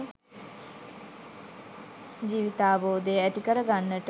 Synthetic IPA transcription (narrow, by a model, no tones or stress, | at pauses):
d͡ʒiːʋit̪aːboːd̪əjəæt̪ikəɾəɡanːəʈə